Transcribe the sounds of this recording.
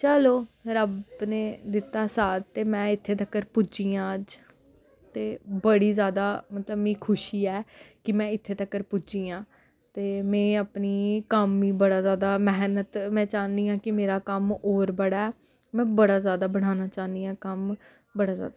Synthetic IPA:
t͡ʃəloːɾəbneːd̪ɪt̪ːaːsaːd̪t̪eːmɛ̃ːɪt̪ʰːeːt̪əkːəɾpʊt͡ʃiːãːəd͡ʒ | t̪eːbəɽiːzjaːd̪aːmət̪ləbĩːkʰʊʃiːɛːkɪmɛ̃ːɪt̪ʰːeːt̪əkːəɾpʊt͡ʃiːãː | t̪eːmɛ̃ːəpniːkəmːĩːbəɽaːzjaːd̪aːmɛɦnət̪mɛ̃ːt͡ʃaːnd̪iːãːkɪmeːɾaːkəmoːɾbəɽaːɛː | mɛ̃ːbəɽaːzjaːd̪aːbəɽaːnaːt͡ʃaːnd̪iːãːkəm | bəɽaːzja̰ːd̪a

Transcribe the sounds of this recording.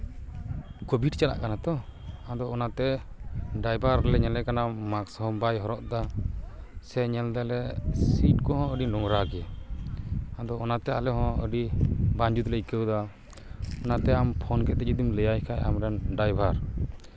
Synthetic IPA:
kobʱiʈt͡ʃala̰ʔkanat̪ɔad̪ɔːnat̪ɛ | ɖajbʱaɾlɛɲɛlɛkanamakshɔmbajɦɔɾɔʔd̪a | sɛɲɛld̪ɛlɛsiʈkɔɦɔ̃əɖinɔŋɾaɡɛ | ad̪ɔːnat̪ɛalɛɦɔ̃ə̰ɖibaɲd͡ʒut̪lɛikəwd̪a | ɔnat̪ɛampʰɔnkɛt̪ɛd͡ʒud̪imləjajkʰaja̰mɾɛnɖajbʱaɾ

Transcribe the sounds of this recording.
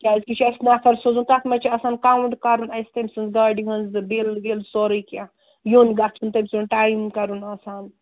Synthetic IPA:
kʲaːzkit͡ʃʰɐjsnafɐɾsozunt̪ɐk̪mɐt͡ʃʰiɐsaːnkawuɳɖkɐɾunɐjst̪ɐmsɨnzɡaːɖiɦɐnzɨbelɡelsoːɾɐjkʲã | joːnɡat̪ʰunt̪ɐmʲsunʈaːjmkɐɾunɐsaːn

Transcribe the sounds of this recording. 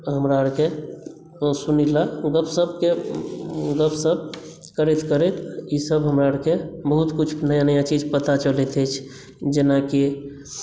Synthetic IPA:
ɦəmɾaəɾke | sunilaɡəpʰsəbʱke | ɡəpʰsəb̚ | kəɾɛt̪kəɾɛt̪isəbɦəmɾaəɾkebəɦut̪kut͡ʃʰnəjanəjãt͡ʃid͡ʒpət̪at͡ʃəlɛt̪ʰɛt͡ʃʰ | d͡ʒenaki

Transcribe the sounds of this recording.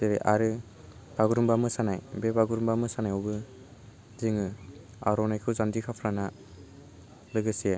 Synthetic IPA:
deɾeʔaɾɯ | b̥aɡɯɾumbamɯsanajbebaɡɯɾumbamɯsanajɔwbɯ | zɯŋɯ | a̰ɾɔnajkʰɯzandikʰapʰɾana | lɯɡɯsije

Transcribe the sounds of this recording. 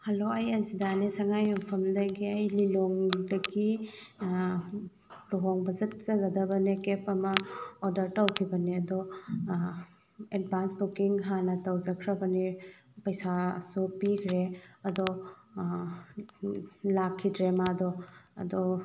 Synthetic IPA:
hɐloɐjɐzidanesɐŋajmɐpʰɐmdɐɡiɐjliloŋdɐɡi | luɦoŋbɐzɐt̚z̥ɐɡɐdɐbɐnekepɐmɐɔdɐɾtawkʰibɐniɐdɔ | ed̚bʱansbukiŋɦanɐtɐwzɐkʰɾɐbɐni | pɐjsasupikʰɾeɐd̪ɔ | lakʰːidɾemadɔɐ̰dɔ

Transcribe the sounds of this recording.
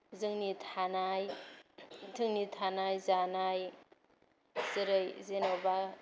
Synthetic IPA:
zɯŋnitʰanaj | tʰɯŋnitʰanajzanaj | zɯɾɯjzenowba

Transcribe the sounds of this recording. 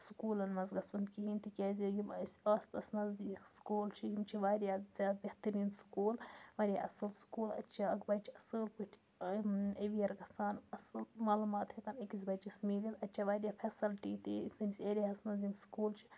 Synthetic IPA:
sukuːlɐnmɐzɡɐsunkiɦint̪ikʲeːzʲojimsaːst̪ɐsnɐzd̪iskuːlt͡ʃʰiɦimt͡ʃʰiʋaːɾʲjaːzʲaːt̪̚bʲeht̪ɐɾiːnsu̥kuːlʋɐɾija̰ʔɐ̰sɐlsu̥kuːlɐ̰tːt͡ʃʰaɐkbɐt͡ʃʰiɐsɨːlpɨʈʰi̥ | eʋijɐɾɡɐsaːnɐsɨlmaːlumaːt̪hekɐnɐkizbɐt͡ʃismiːlilɐtːt͡ʃʰɐʋaːɾʲjafʰeːsɐlʈiːt̪isɨnʲsʲeːɾiɦɐsnɐzinsu̥kuːlt͡ʃʰi̥

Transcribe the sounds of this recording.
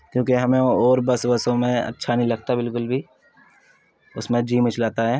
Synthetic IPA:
kjũːkiɦɐmẽɔːɾbɐsbɐsõmẽɐ̰tːʃʰanɐɦĩlɐɡ̚t̪abɪlkʊlbʱi | ʊsmẽd͡ʒiːmɪt͡ʃlaːt̪aɦɛː

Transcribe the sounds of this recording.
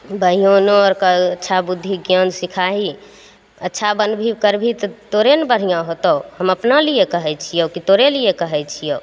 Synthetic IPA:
bəɦijonoɔɾkəətːʃʰabud̪ʱːiɡjənsikʰaɦi | ətːʃʰabənbʱikəɾbʱit̪t̪oɾenbəɽ̤ijãɦot̪əwhəməpnalijekəɦɛt͡ʃʰijəkit̪oɾelijekəɦɛt͡ʃʰijow

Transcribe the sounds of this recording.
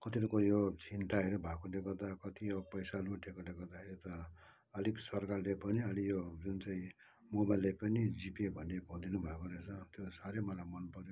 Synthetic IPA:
kʌt̪iɾukojot͡sint̪aɦeɾubʱakoleɡʌrd̪akʌt̪ijopʌjsaluʈʰekoleɡʌrd̪akʰeɾit̪ʌ | ʌlisʌrkarlepʌniʌlijod͡zunt͡saĩ | mobajlːajpʌnid͡zipebʱʌnebʱʌd̪inubʱakoɾet͡sʰʌt̪josaɾemʌlajmʌnpʌɾjo

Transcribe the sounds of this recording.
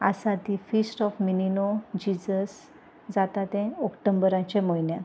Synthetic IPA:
a̰sat̪ifisʈɔfmininod͡ʑid͡ʑəs | d͡zat̪at̪ɛ̃ɔkʈəmbəɾãt͡ɕẽməjnja

